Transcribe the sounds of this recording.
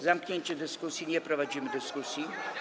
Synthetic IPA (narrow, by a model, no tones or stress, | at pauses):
zamkɲeɲt͡ɕɛd̪ɘskusʲjiɲɛpɾɔvad͡ʑimɘd̪ɘskusʲji